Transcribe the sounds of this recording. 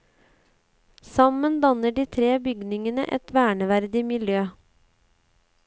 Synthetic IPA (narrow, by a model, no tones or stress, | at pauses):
sɑmənd̪ɑnəɖiːt̪ʰɾeːbʏɡnɪŋənə̰ʔɛ̰t̪ʋæːɳəʋæɾd̪ɪmɪljøː